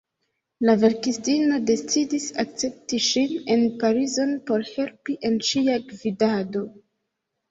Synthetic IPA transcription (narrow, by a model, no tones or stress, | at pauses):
lave̞ɾkistino̞de̞t͡sidisak̚t͡se̞p̚tiʃine̞npaɾizo̞npo̞ɾhe̞lpiʔe̞nʃiaɡvidado̞